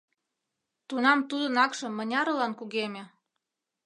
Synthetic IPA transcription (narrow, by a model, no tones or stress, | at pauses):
t̪unɑmt̪ud̪ə̆nɑkʃɤ̆mːɤ̆nʲɑɾɤ̆lɑnkuɣemʲĕ